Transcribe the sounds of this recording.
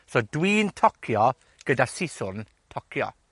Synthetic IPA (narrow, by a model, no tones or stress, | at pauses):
sɔdwiːntʰɔkʰjɔ | ɡ̥ədasɪsʊn | tʰɔkʰjɔ̰